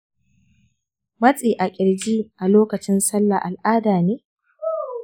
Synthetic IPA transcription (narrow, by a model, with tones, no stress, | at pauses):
mɐ˦t͡sʼiː˨ʔa˨kʲʼɪ˨ɽd͡ʒiː˦ʔa˨loː˦kɐ˨t͡ʃɪ˦nsɐ˦lːa̰˨ʔa˨lʔaː˦daː˨neː˦